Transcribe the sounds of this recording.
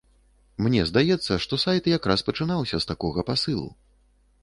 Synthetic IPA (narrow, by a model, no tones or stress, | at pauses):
mnʲɛzd̪ajɛt̪sːɐʂt̪ɔsajt̪jakɾaspɐt͡ʂɨnawsʲɐst̪akɔɣɐpasɨlˠṵ